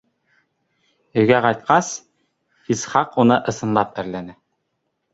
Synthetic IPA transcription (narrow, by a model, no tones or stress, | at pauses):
ɵ̆jɡæqɑjt̪̚qɑs | isχɑqunɤʔɤ̆sɤ̆nlˠɑp̚æ̆ɾlænæ